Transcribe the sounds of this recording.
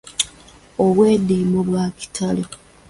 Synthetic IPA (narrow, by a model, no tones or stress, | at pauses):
oβwe̞ːdiːmuβwaːki̥tʰale